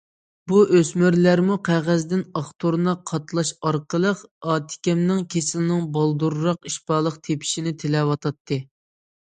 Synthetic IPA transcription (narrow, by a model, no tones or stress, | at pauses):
buʔøsmyɾlæɾmuqʰæʁæzd̪ɪnɑχt̪ʰoɾnɑqʰːɑt̪ʰlˠɑʃɑɾqʰəlˠəqɑːt̪ʰɪ̥kʲɛmnɪŋkʲʰesɪlnɪŋbɑlˠd̪uɾːɑqiʃpɑːlˠəqt̪ʰepʰi̥ʃinɪt̪ʰelɛwɑt̪ʰɑt̪ʰːɨ